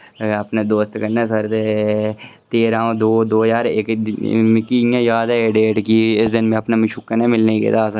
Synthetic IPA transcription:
ɐpned̪oːst̪kɐɾneːs̬ɐɾt̪e | t̪eːɾãːõd̪oːd̪oːjaːɾeːk̪mɪkijãːjaːd̪ɛɖeːʈkiɪsd̪ɪnmẽɐpnamɪʃukːənemɪlneikḛːd̪aːsəɾ

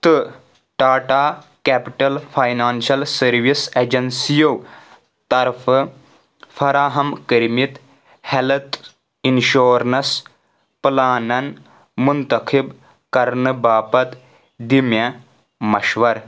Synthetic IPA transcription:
t̪ɨ | ʈaːʈaːkɛːpiʈɐlpʰajnaːnʃɐlsɐɾʋiseːd͡ʒɐnsijow | t̪ɐɾfʰ | fʰɐɾaːɦɐmkəɾmit̪ | helɐt̪ | inʃoːɾnɐs | plaːnɐn | munt̪ɐkʰib | kɐɾnɨbaːpɐt̪ | d̪imjɐ | mɐʃʋɐɾ

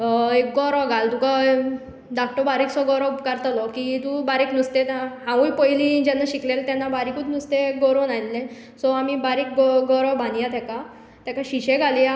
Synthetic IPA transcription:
ek̚ɡɔɾɔɡʱalt̪uka | ɖak̚ʈɔbaɾiksɔɡɔɾɔbkəɾt̪alɔkit̪ũbaɾiknust̪et̪ɦãujpəjlĩd͡ʑɛnːaɕiklelt̪ɛnːabaɾikut̪nust̪eɡɔɾɔnajllẽ | sɔamibaɾik̚ɡɔɡɔɾɔbʱãnijat̪ɛka | t̪ɛkaɕiɕeɡʱali

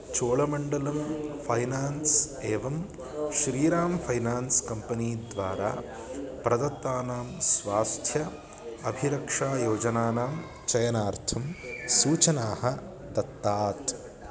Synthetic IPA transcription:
t͡ʃoːɭɐmɐɳɖɐlɐmpʰɐjnaːnseːʋɐm | ʃɾiːɾaːmpʰɐjnaːnskɐmpɐniːd̪ʋaːɾa̰ː | pɾɐd̪ɐt̪ːaːnaːmsʋaːst̪ʰjɐ | ɐbʱiɾɐkʂaːjoːd͡ʒɐnaːnaːm | t͡ʃɐjɐnaːɾt̪ʰɐmsuːt͡ʃɐnaːhɐ | d̪ɐt̪ːaːt̪

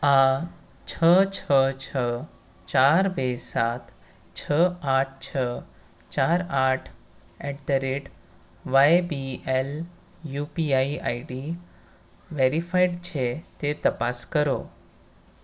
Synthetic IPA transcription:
a | t͡ɕʰət͡ɕʰət͡ɕʰə | t͡ɕaɾbesat̪ | t͡ɕʰəaʈ̚ʰt͡ɕʰə | t͡ɕaɾaʈʰ | ɛʈd̪əɾeʈ | ʋajbiel | jupiaiʔaiɖi | ʋeɾifajɖt͡ɕʰet̪et̪əpaskəɾo̰

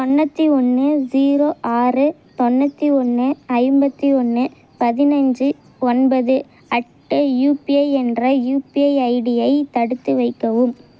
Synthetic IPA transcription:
t̪ɔnːɐt̪ːiɔnːɯziːɾoːʔaːrɯ | t̪ɔnːɐt̪ːiɔnːɯɐɪmbɐt̪ːiɔnːɯ | pɐðɪnɐɲd͡ʒɯ | ɔnbɐðɯ | ɐʈːɯjuːpɪɐɪɛndrɐjuːpiɐɪɐɪɽɪjɐɪt̪ɐɽɯt̪ːɯʋɐɪkːɐʋɯm

